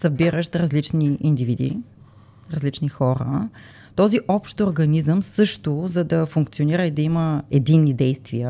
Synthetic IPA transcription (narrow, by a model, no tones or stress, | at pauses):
sɐbiɾəʃt̪ɾɐzlit͡ʃniind̪ivid̪ḭ | ɾɐzlit͡ʃnixɔɾə̰ | t̪ɔziʔɔpʃt̪oɾɡɐnizəmsɤʃt̪ʊzɐd̪ɐfuŋk̚t̪sioniɾəid̪ɐiməɛd̪inːid̪ɛjst̪viə